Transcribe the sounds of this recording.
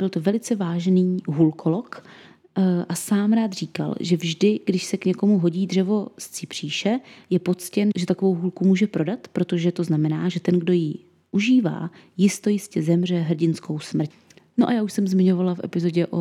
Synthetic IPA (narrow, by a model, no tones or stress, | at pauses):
bɪlt̪o̞vɛlɪt͡sɛvaːʒniːɦulkʰo̞lok | ʔasaːmɾaːt̪r̝iːka̰lʒɛvʒdɪɡdɪʃsɛkɲɛko̞muɦo̞ɟiːdr̝ɛvo̞st͡sɪpr̝̥iːʃɛjɛpo̞t͡scɛnʒɛt̪ako̞vo̞wɦulkumuːʒɛpɾo̞dat̪pɾo̞t̪o̞ʒɛt̪o̞znamɛnaːʒɛt̪ɛnɡdo̞ji | ʔuʒiːva̰ː | jɪst̪o̞jɪscɛzɛmr̝ɛɦr̩ɟɪnsko̞wsmr̩c | noʔajaːuʃsɛmzmɪɲovalafʔɛ̰pɪzo̞ɟɛʔo̰